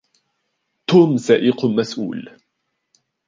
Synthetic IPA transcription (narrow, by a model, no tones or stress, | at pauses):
t̪uːmsaːʔɪqmasʔṵːl